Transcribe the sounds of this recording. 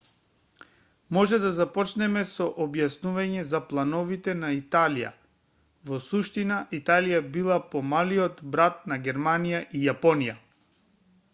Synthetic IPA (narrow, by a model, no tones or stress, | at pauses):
mɔʒɛd̪azapɔt͡ʃnɛmɛsɔʔɔbjasnuvaɲɛzaplˠanɔvit̪ɛnait̪alija̰ | vɔsuʃt̪inaʔit̪alijabilˠapɔmaliɔt̪bɾat̪̚naɡʲɛɾmanijaʔijapɔnija